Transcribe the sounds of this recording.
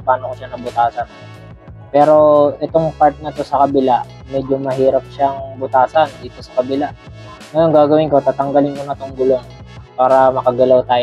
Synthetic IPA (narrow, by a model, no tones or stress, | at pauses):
paːnokoʃanɐbʊt̪aːsɐn | pɛːɾo̞ʔɛt̪o̞ŋpaɾt̪̚nɐt̪o̞sɐkɐbɪla | mɛd͡ʒomɐɦiːɾɐp̚ʃaŋbʊt̪aːsɐnd̪iːt̪o̞sɐ̥kɐbɪlaʔ | ŋɐjo̞nɡaːɡɐwɪnko̞t̪aːt̪ɐŋɡɐlɪnkonɐt̪oŋɡʊlo̞ŋ | paːɾɐmɐkɐɡɐlawt̪aːj